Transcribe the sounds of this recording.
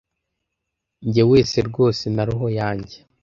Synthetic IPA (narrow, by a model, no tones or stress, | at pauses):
ɲɟewe̞ːseɾɡo̞ːsenaɾiɦo̞jaːɲɟe